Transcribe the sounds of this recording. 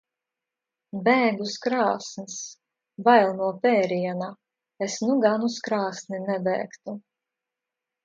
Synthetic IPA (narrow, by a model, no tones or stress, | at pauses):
bɛːɡuskɾaːsnis | vajlˠnuɔpɛːɾiɛna | esnuɡanuskɾaːsninɛbɛ̰ːkt̪u